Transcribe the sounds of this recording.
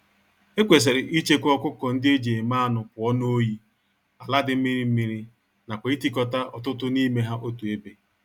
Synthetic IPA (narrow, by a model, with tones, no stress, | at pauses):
e˦kʷe˨s̬e˨ɾɪ˨ʔi˦t͡ʃe˦kɔ˦kʷʊ˦kɔ˨n̩˦dɪ˦e˦d͡ʒe˨e˨ma˦nʊ˨kʷʊ˨ɔ˦no˦o˦ji˦ | a˨la˦dɪ˨m̩˦mi˦ɾi˦m̩˦mi˦ɾi˦ | na˨kʷe˨˦i˦ti˦kɔ˦ta˦ʔɔ̰˨tʊ˦tʊ˦ni˦me˦ɦa˦ʔo˦tu˨e˦be˦